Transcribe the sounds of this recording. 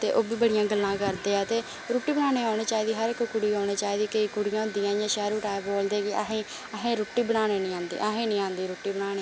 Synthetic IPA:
t̪eːʔoːbiːbəɽɪjãːɡəlːãːkəɾd̪eːɛːt̪eː | ɾoːʈːiːbənaːneːɦaːñeːt͡ʃaːiːd̪iːɦəɾɪkːkʊɽiːaːneːt͡ʃaːiːd̪iːkəiːkʊɽɪjãːʊnd̪ijãːjãːʃɛːɾuːʈaːeboːld̪eːkɪəɦẽː | əɦẽːɾʊːʈːiːbənaːneːnĩːãːnd̪ḭːʔəɦẽːnĩːãːnd̪iːɾoːʈːiːbənaːneː

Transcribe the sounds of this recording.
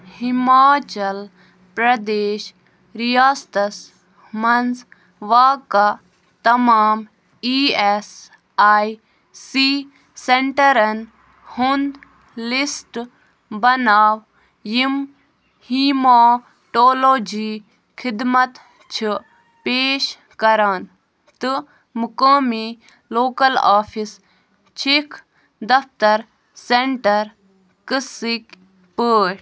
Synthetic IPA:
himaːt͡ʃɐl | pɾɐd̪eːʃ | ɾijaːst̪ɐs | mɐnz | ʋaːka | t̪ɐmaːm | iːes | aːj | siː | seɳʈɐɾɐn | hund̪ | lisʈ | bɐnaːʋ | jim | hiːmoː | ʈoːloːd͡ʒiː | kʰid̪mɐt̪ | t͡ʃʰɨ | peːʃ | kɐɾaːn | t̪ɨ | mukəːmi | loːkɐla̰ːpʰis | t͡ʃʰikʰ | d̪ɐft̪ɐɾ | seɳʈɐɾ | kɨsik | pəːʈ

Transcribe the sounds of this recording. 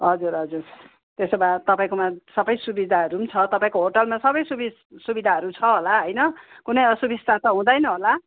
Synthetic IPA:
ɦʌd͡zuɾɦʌd͡zur | t̪esʌbat̪ʌpaĩkomasʌbʌjsubid̪ʱaɦʌɾumt͡sʰʌt̪ʌpaĩkoɦoʈʌlmasʌbʌjsubi | subid̪ʱaɦʌɾut͡sʰʌɦolaɦʌjnʌkunʌjʌsubist̪at̪ʌɦũd̪ʌjnʌɦola

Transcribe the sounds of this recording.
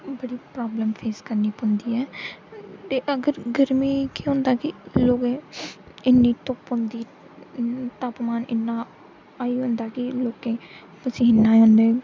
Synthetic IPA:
bəɽiːpɾaːbləmpʰeːskəɾniːpʊ̃nd̪iːɛː | t̪eːʔəɡəɾɡəɾmiːkiːɦʊ̃nd̪aːkɪloːɡẽː | ɪnːiːt̪ʊpʊ̃nd̪iː | t̪aːpmaːnɪnːãː | aːiːɦʊ̃nd̪aːkɪloːkẽː | pəsĩːɪnːaːiɦʊ̃nd̪eː

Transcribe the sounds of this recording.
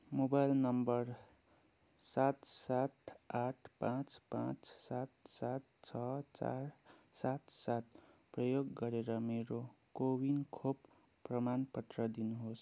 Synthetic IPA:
mobajlnʌmbʌr | sat̪sat̪aʈʰpãt͡spãt͡ssat̪̚sat̪̚t͡sʰʌt͡sa̰rsat̪sat̪prʌjoɡːʌɾeɾʌmeɾokobinkʰopː | rʌmanpʌt̪rʌd̪inuɦos

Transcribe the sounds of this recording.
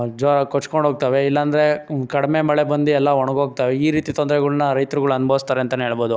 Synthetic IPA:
d͡ʒɐkot͡ʃːkoɳɖʱɦoːɡ̚t̪aːʋe̞ilːɐːnd̪ɐɾe̞kɐɽime̞mɐɭebɐnd̪uɛlːɐɔɳɐɡɦoːɡ̚t̪aːʋeiːɾiːt̪it̪ɔnd̪ɾɛɡɐɭunɐɾɐjt̪ɾuɡɐɭuɐnbʱɐʋist̪aːɾeɐnt̪ɐneɦeːɭboːd̪u

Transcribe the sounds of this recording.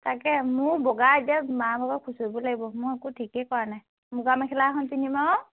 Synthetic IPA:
takɛmʊɹbɔɡazamabʱabɔkʰusobɔlaɡibɔmʊɹɛkutʰikɛkɔɹanaj | mʊɡamɛkʰɛlakʰɔnpinimaɔ

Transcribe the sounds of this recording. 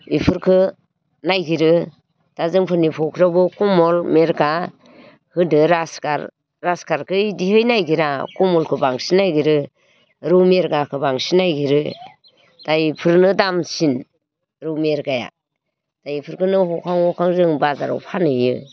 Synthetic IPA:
ipʰɯɾkʰɯ | najɡiɾɯ | d̥azɯŋpʰɯɾnipʰɔkʰɾabɔkɔmɔlmeɾɡa | hɯdɯɾaska̰ɾ | ɾaskaɾkʰɯdihɯjnajɡiɾakɔmɔlkʰɯbaŋsinːajɡiɾɯ | ɾɯwmeɾɡakʰɯbaŋsinajɡiɾɯ | d̥ajpʰɯɾnɯdamsin | ɾɯwmeɾɡaja̰ | d̥ajipʰɯɾkʰɯnɯhɔkʰaŋhɔkʰaŋzɯŋbazaɾɔ̰wpʰanɯjɯ̰

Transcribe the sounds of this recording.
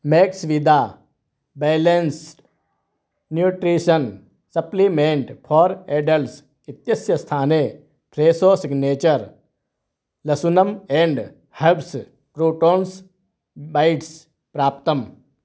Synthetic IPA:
meːksʋid̪ʱaː | beːlens | njuːʈɾiːʃɐn | sɐplimeɳʈpʰɔːɾeːɖɐls | it̪jɐsjɐst̪ʰaːneː | pʰɾeːsoːsiɡneːt͡ʃɐɾ | lɐsunɐmeːɳɖ | hɐbs | pɾoːʈoːns | bajʈs | pɾaːp̚t̪ɐm

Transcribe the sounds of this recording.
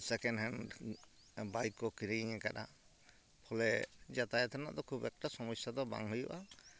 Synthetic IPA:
sɛkɛnɦɛnɖ | bajkːɔkiɾiiɲɛkaɗa | pʰɔlɛd͡ʒat̪ajɛt̪ʰana̰ʔd̪ɔkʰubɛk̚ʈasɔmɔsjad̪ɔba̰ŋɦujṵʔa

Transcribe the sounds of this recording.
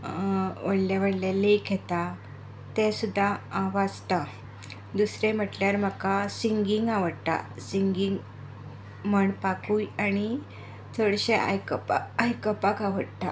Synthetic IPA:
ʋəɽljaʋəɽlelekɦet̪a | t̪ẽsud̪ʱːaːʋad͡zt̪a | d̪usɾẽm̤əʈljaɾm̤akasiŋɡiŋɡaʋəɽt̪a̰siŋɡiŋɡ | m̤əɳpakujaɽ̃i | t͡sʰəɽɕeʔa̰jkəpajkəpakaʋəɽt̪a

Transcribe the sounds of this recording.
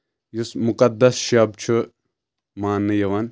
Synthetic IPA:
jusmukɐd̪ːɐsʃɐb̚t͡ʃʰu | maːnːɨjɐʋɐn

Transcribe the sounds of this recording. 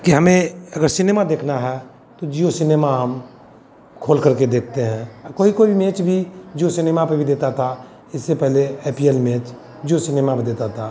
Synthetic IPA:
kiɦɐmẽɐɡəɾsɪneːmad̪eːkʰnaɦɛ | t̪od͡ʒiːosɪneːmaɦəm | kʰoːlkəɾked̪eːk̚ʰt̪eɦɛ̃koːikoːimẽːt͡ʃbʱid͡ʒiosɪneːmapəbʱid̪eːt̪at̪ʰa | ɪsːepɛɦleeːpiɛlmeːt͡ʃ | d͡ʒiosɪneːmapd̪eːt̪at̪ʰa

